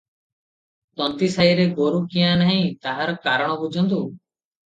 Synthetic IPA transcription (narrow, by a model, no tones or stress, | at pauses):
t̪ɔnt̪isaiɾeɡoɾukiãnaɦĩt̪aɦaɾɔkaɾɔɽ̃ɔbud͡ʒʱɔnt̪u